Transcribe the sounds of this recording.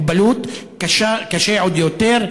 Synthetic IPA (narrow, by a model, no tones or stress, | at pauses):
balut̪ | kaʃakaʃeʕod̪jot̪eʁ